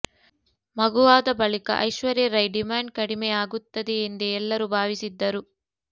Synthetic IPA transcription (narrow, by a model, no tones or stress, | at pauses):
mɐɡuʋaːd̪ɐbɐɭikɐ̰ʔɐ̰jʃʋɐɾiɾɐjɖimaːɳɖ̚kɐɽimɛaːɡut̪ːɐd̪iend̪eɛlːɐɾubʱaːʋisid̪ːɐɾu